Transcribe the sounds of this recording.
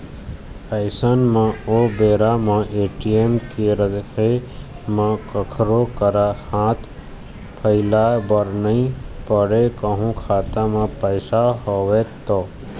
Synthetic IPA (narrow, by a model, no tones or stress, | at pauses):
əɪsənmãobeːɾamãʔeːʈiemkeɾəɦe | mãkəkʰɾokəɾahãːt̪ʰ | pʰəɪlabəɾnəĩpəɽekəɦũkʰaːt̪ãmãpəɪsaɦoʋet̪oː